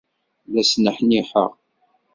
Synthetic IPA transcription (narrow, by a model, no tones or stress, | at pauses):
ðæsnəħniħə̰ʁ